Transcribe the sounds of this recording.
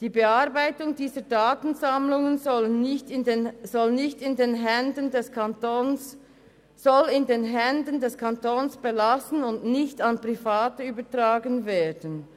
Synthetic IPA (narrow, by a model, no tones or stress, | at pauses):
d̥iːbeaɐbaɪtʊŋdiːzədaːtn̩zamlʊŋən | zɔlnɪçtɪndeːnɦɛndəndɛsn | z̥ɔlɪndeːnɦɛndəndɛskʰantoːnsb̥elasən̩ʊndnɪçtanpʁ̥ifaːtəyːbətraːɡənvɛːdən